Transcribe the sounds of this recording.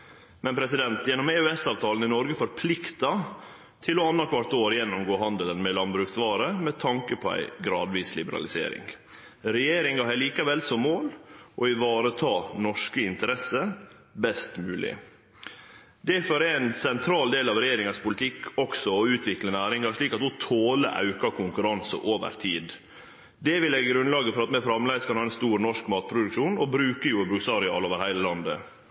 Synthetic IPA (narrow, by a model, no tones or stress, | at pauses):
mɛnpʰɾɛsɪd̪ɛnt̪jɛnɔmeːʉɛsɑːʋt̪ʰɑːlən̩ɪnɔɾɡəfɔɾpʰlɪkt̪ɑ | t̪ʰɪlɔɑnːɑkʰʋɑɾt̪oːɾjɛnːʊmɡoːɦɑnd̪ələnmɛlɑnbɾʉːksʋɑːɾəmɛt̪ʰɑŋkəpʰɔæ̰ɪɡɾɑːd̪ʋiːslɪbəɾɑ̰lɪsḛːɾɪ̰ŋ | ɾɛjeːɾɪŋɑhɛliːkɑʋɛlsɔmːoːlʔɔɪʋɑːɾət̪ʰɑːnɔʂkəɪnt̪əɾɛsːə | bɛst̪mʉːlɪ̰ | d̪ɛfɔɾɛɛnsɛnt̪ʰɾɑːld̪eːlɑʋɾɛjeːɾɪŋɑspʰʊlɪt̪ʰɪkːɔksɔɔʉːt̪ʰʋɪklənæːɾɪŋɑʂɭiːkɑt̪ʊt̪ʰoːlə̰ʔɑ̰ʉkɑkʰʊŋkʉɾɑnsə̰ʔoːʋə̰ɾt̪ʰiːd̪ | d̪ɛʋɪlɛɡɡɾʉnlɑːɡəfɔɾɑt̪mɛfɾɑmlæɪskʰɑnhɑːɛnst̪uːɾnɔʂkmɑːt̪̚pʰɾʊd̪ʉkʃuːnɔbɾʉːkəjʊbɾʉksɑɾɪɑ̰ːloːʋəɾhæɪləlɑnd̪ə̰